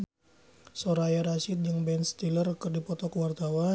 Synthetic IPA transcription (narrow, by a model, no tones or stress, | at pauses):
soɾajaɾasɪt̪̚d͡ʒəŋbɛnst̪ilərkɨrdipɔt̪ɔkəwart̪awa